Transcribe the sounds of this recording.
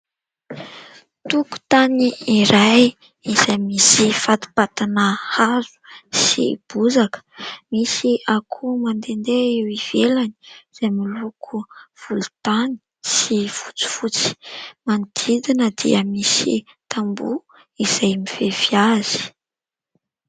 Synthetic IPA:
t̪uku̥t̪aniːɾaj | iz̥ajmisifat̪u̥pat̪anəhazu̥sḭb̥uzakə̥misiʔakʰumand̪end̪eewiv̥elani̥iz̥ajmilukʰuv̥ulut̪ani̥ | sifu̥t͡si̥fut͡si̥mand̪̥ʰid̪inəd̪̥ḭəmisḭ | t̪ʰambu | iz̥ajmiv̥eviaz̥i̥

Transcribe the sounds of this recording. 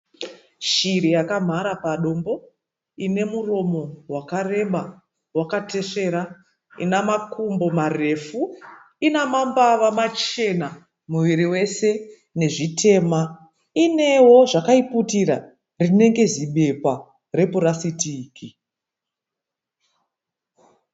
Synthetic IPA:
ʃiɾijakam̤aɾapaɗo̞mbo̞ | ine̞muro̞mo̞wakare̞ɓa | wakate̞ʂe̞ɾa | ḭnamakumbo̞mare̞fu | inamambaʋamat͡ʃe̞na | muʋiɾiwe̞se̞ | ne̞ʐitʰe̞ːma | ine̞woʐakaiputiɾa | rine̞ŋɡe̞ziɓe̞pwa | re̞puɾasitiːki

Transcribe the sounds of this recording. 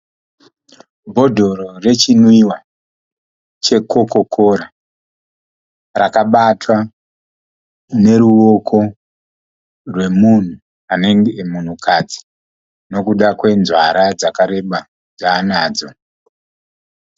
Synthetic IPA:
bʱo̞dʱo̞ɾo̞re̞t͡ʃinwiwa | t͡ʃe̞ko̞ko̞kʰoɾa | rakaɓatwa | ne̞ɾuo̞kʰo̞ | rwe̞mun̤u | ane̞ŋɡemun̤ukad͡zi̥ | no̞kuɗakwe̞nzwaɾad͡zakaɾe̞ɓa | d͡zaːnaːd͡zo̞

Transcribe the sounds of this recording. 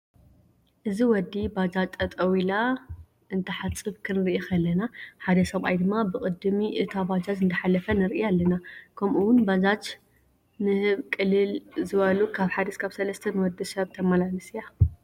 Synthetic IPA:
ʔɨziwɔd̪ːibad͡ʒat͡ʃ̪ʼːɐt̪ʼɐwila | ʔɨnt̪ʰɐħat͡sʼːɨβkʰɨnɾiʔikʰɐlːɐnaħad̪ɐsɐβʔa̰jd̪ɨmːabɨkʼɨd̪ɨmiʔɨt̪ʰabad͡ʒazɨnt̪ʰɐħalɐfɐnɨɾʔialːɐnakʰɐmʔuwʊnbad͡ʒat͡ʃ | nɨhɨβkʼɨlːɨlzɨβɐlukʰaβħad̪iskʰaβsɐlɐst̪ʰɐnɨwɔd̪ɨsɐβt̪ʰɐmalalɨsija

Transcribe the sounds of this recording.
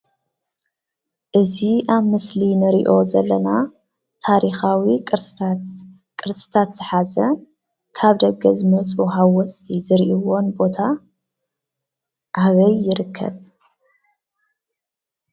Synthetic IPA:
ʔɨziʔaβmɨslinɨɾḭʔo̞zɐlːɐna | t̪ʰaɾixawi | kʼɨɾsʼɨ̥t̪ʰat̪z̥ɨħazɐn | kʰaβd̪ɐɡɐzɨmɐt͡sʼuɦawɔsʼt̪ʰizɨɾʔiwo̞nbo̞t̪ʰa | ʕaβɐjːɪɾɨkʰːɐ̰β

